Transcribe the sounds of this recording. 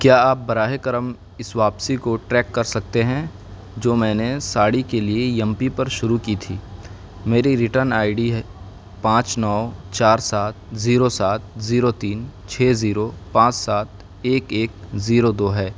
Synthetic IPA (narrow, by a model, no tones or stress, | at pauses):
kjaːaːp̚bɐɾaːɦekɐɾəm | ɪsʋaːpsikoʈɾɛːkːɐɾsɐk̚t̪eɦɛ̃ | d͡ʒoːmɛ̃ːnesaːɽikeliejɐ̃mpipɐɾʃʊɾukiːt̪ʰiː | meːɾiɾɪʈəɾnaːɪɖiɦɛ | pãːt͡ʃnɔːt͡ʃaːɾsaːt̪̚ziːɾosaːt̪̚ziːɾot̪iːnt͡ʃʰeːziːɾopãːt͡ʃsaːt̪̚ | eːkeːk̚ziːɾod̪oːɦɛː